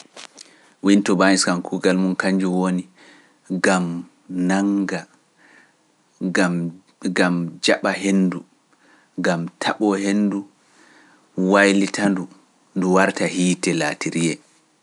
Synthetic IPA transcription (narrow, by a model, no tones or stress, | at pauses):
wintɔbaniskankʰuɡalmunkaɲd͡ʒuwoni | ɡam | naŋɡa | a | ɡamd͡ʒaɓaɦenːdu | ɡamtʰaɓɔhenːdu | wajlitʰandu | nduwaɾtahiːtɛlatiɾijɛ